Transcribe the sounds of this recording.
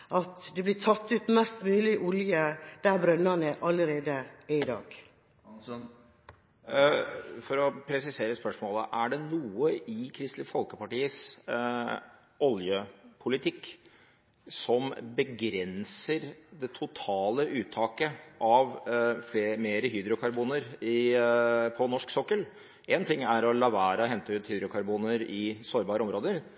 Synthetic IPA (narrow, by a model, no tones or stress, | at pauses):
ʔɑt̪d̪ɛblɪt̪ʰɑt̪ːʉːt̪mɛst̪mʉːlɪʔʊljəd̪̥æɾbɾœnɑnəʔɑlːəɾeːd̪əɪd̪ɑ̰ːɡ̪ | fɔɾɔpʰɾɛsɪseːɾəspœʂmoːlə̰ʔæɖɛnuːəʔɪkʰɾɪst̪ləfɔlkəpɑʈiːəs | ɔljəpʰʊlɪt̪ʰɪkː | sɔmbəɡɾɛnsəɾd̪ɛt̪ʰʊt̪ʰɑːləʔʉːt̪ʰːɑːkəʔɑʋfleːmeːɾəɦyːd̪ɾʊkʰɑɾbuːnəɾɪ | pʰɔnɔʂksɔkːəl | ʔɛnt̪ʰɪŋːæɾɔlɑʋæːɾɑɦɛnt̪əʉːt̪hyːd̪ɾʊkʰɑɾbuːnəɾɪsoːɾbɑːɾəɔmɾoːd̪əɾ